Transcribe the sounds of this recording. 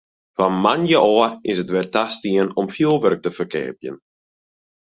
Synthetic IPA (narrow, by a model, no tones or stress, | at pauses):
famanjəʔɔəɪsətʋɛrtastiənɔmfjulˠʋørk̚təfərkɛ̰ːpjə̰n